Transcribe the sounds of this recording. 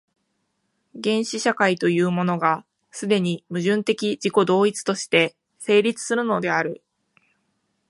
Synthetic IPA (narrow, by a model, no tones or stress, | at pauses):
ɡẽ̞ɰ̃ɕiɕakait̪o̞jɯ̟ːmo̞no̞ɡa | sɨd̪e̞ɲ̟imɯ̟ʑɨ̃nt̪e̞kʲid͡ʑiko̞d̪o̞ːit͡sɨ̥t̪o̞ɕi̥t̪e̞ | se̞ːɾʲit͡sɨ̥sɨɾɯ̟no̞d̪e̞aɾɯ̟